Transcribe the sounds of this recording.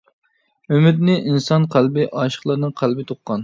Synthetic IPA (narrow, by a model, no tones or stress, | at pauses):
ømɪd̪nɪʔinsɑnqʰælbɪʔɑʃə̥χlˠɑɾnɨŋqʰælˠbɪt̪ʰoqːɑn